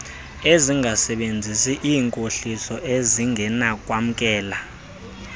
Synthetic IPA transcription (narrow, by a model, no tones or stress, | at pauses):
eziŋʱasɛɓend͡zʱisiʔiːŋkʼoɬisɔʔeziŋɡʱɛnakʼwam̩kʼɛːla